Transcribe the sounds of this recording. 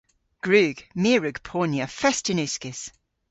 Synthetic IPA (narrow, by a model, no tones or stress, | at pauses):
ɡ̥ɹʉːɡ̥miəɹʉɡ̥pʰɔːnjəfɛstɪnʉˑskɪs